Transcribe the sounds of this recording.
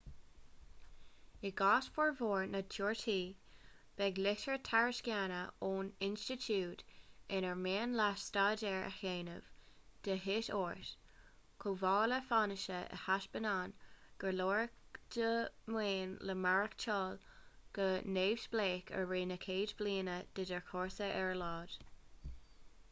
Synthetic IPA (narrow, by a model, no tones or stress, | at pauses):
ɪɡɑːsfəɹvoːɹnətʰoːɹtʰiː | b̥ɛɡlɪtəɹt̪ʰaɹəskjanəoːnɪnstɪtʰuːtɪnəɹmeːnlasstaːdɛɹə̰heːnə̰v̥d̪̥əɦɪtoːɹt | kʰovɑːləfanɪʃəʔə̰haʃb̥ənaːnɡ̥əɹloːɹkd̥əmweːnləmaɹəkt͡ʃʰɑːlɡ̥əneːv̥sbleːkʰə̰ɹɹiːnəkʰeːdbliːnəd̥ədɛɹkʰɔːɹsəʔɛɹlɑːd̥